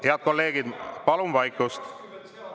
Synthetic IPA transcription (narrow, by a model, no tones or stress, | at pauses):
heɑd̪̥̚ko̞lːe̞ːɡ̥id̪pɑlumvɑjkːˑust̪